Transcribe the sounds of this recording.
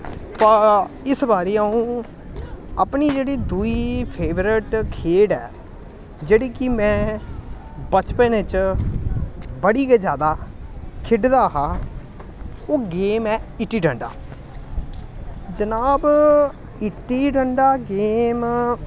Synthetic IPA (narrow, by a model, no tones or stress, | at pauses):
pə | ɪsbaːɾeːaːũː | əpniːd͡ʒeːɽiːd̪uiːpʰeːʋɾɪʈkʰeːɽɛː | d͡ʒeːɽiːkɪmɛ̃ː | bət͡ʃpẽːnet͡ʃ | bəɽiːked͡ʒjaːd̪aːkʰɪɖd̪aːɦaː | oːɡeːmɛːɪʈːiːɖəɳɖa̰ː | d͡ʒənaːb | ɪʈːiːɖəɳɖaːɡeːm